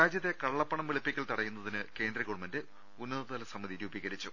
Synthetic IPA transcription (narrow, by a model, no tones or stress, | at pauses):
aːd͡ʑjɐt̪ːe̞kɐɭːɐpːɐɳɐmʋeɭipːikʲːɐɭt̪ɐɽɐjːunːɐðinɨke̞ːndrɐɣuɽmɐndɨ | unːɐðɐt̪ɐlɐsɐmːɐðiɾuːbiɣɐɾit͡ɕːu